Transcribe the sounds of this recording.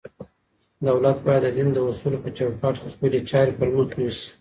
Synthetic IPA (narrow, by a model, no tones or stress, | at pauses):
d̪awlat̪̚bɑjad̪ːəd̪ind̪əʊsulopət͡ʃawkɑʈkexpəlet͡ʃɑɾepəlwut̪əwisi̥